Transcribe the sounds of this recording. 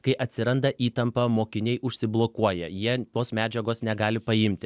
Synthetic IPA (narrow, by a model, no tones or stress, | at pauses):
kɐɪʔɐt̪ʲsʲɪɾɐnd̪ɐʔiːt̪ɐmpɐmoːkʲɪnʲɛɪʔʊʃʲsʲɪblˠoːkuɔjɛjiɛt̪oːsmʲæːd͡ʒʲɛɡoːsnʲɛɡɑːlʲɪpɐɪmʲt̪ʲɪ